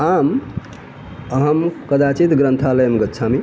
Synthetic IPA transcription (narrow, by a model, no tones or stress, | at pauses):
am | əɦəmkəd̪at͡ʃit̪ɡɾənt̪ʰaləjəmɡətːt͡ʃʰami